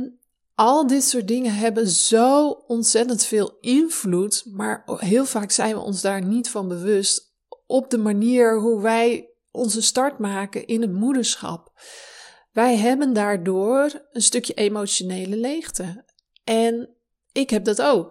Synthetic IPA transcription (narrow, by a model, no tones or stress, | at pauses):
n | ʔɔlˠdɪtsʊːt̚dɪŋənɦɛbənz̥owɔnsɛtəntfɪːlˠɪnv̥lutmaːɹɦɪəlˠfaːksɛjnʋə̰ʔɔ̰nzdaːɹnitfɑnbəʋøst | ʔɔp̚dəmaniːəɹɦuʋɛj | ʔɔnzəstɑɹtmaːkənʔɪnətmudəɹsxɑ̰p | ʋɛjɦɛbəndaːɹdoːrənstøkjəʔemowsjoneːləlejxtə | ʔɛn | ɪkɦɛp̚dɔtowk